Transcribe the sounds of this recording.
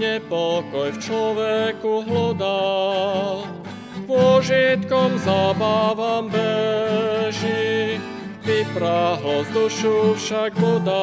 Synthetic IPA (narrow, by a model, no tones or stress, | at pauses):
ɛpɔkɔjft͡ʃlɔʋɛkuɦlud̪a | pʊɔʒit̪kɔmzaːbaʋambɛ | ʒi | bipɾaɦlɔzd̪uʃufʃaɡ̚bud̪a